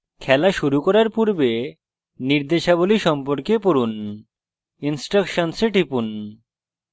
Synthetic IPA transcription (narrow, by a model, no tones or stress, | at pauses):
kʰɛlaʃuɾukɔɾaɾpuɾbe | niɾd̪eʃaboliʃɔmpoɾkepoɾun | insʈɾakʃonseʈipun